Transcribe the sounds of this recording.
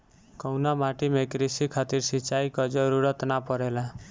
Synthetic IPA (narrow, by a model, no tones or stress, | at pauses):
kɔwnamaʈimekɾisikʰat̪iɾsit͡ʃajkɔd͡ʒɔɾuɾɔt̪napɔɾela